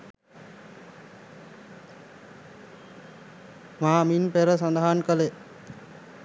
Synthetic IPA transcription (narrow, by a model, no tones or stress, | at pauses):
maːminpeɾəsand̪aɦankəle